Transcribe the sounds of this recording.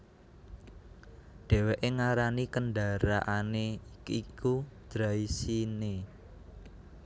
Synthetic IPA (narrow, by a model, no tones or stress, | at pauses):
ɖ̥ɛ̤weʔeŋaɾanikənɖaɾaʔaneikud̪̥ɾaisine